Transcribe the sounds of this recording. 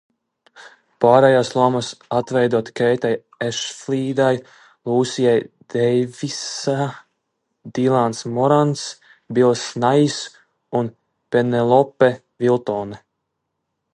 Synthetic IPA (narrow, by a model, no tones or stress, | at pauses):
paːɾɛjaːslˠɔmasat̪vɛjd̪uɔt̪kɛjt̪aj | eʃfliːd̪aj | lˠuːsijajd̪ɛjvisa | d̪̥ilˠansmɔɾans | bilˠsnajis | un | penɛlˠɔpːɛ | vilˠt̪ɔːnɛ